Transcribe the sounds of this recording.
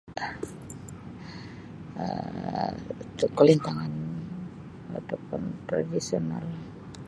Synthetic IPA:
ə̰ | kəlint̪aŋan | a̰t̪apʊnt̪ɾa̰disiona̰l

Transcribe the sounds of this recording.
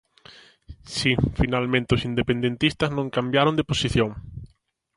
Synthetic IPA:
sifinalmẽnt̪ɪʊsind̪epend̪ẽnt̪ist̪ɐznõŋkambjaɾond̪eposiθjoŋ

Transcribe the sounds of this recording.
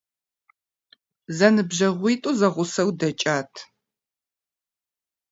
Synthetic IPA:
zɐnɨbʑɐʁʷiːtʼuzɐʁʷʊsɐwdɐt͡ʃʼaːtʰ

